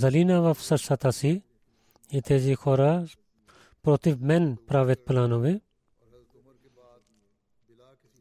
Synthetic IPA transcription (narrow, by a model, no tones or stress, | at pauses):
zɐliːnaʋafsɐsɐt̪aːsi | it̪ʰeːzixʰoːɾa | pɾoːt̪imenpɾaːʋet̪̚pɐlaːnoʋe